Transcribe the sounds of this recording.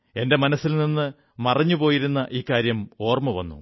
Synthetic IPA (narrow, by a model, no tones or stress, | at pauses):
e̞nde̞mɐnɐsːilninːɨ | mɐrɐɲːupo̞ːjiɾunːɐʔiːkːaːɾjɐmo̞ːrmɐʋɐ̰nːṵ